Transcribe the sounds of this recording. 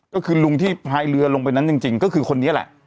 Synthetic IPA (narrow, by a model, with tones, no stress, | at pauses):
kɔː˥˩kʰɯː˧lu˧ŋt̪ʰiː˥˩pʰaː˧jlɯ˧ɐlo˧ŋp̬a˧jna˦˥nt͡ɕi˧ŋt͡ɕi˧ŋkɔː˥˩kʰɯː˧kʰo˧nːi˦˥ɐ˨lɛ̰˨˩ʔ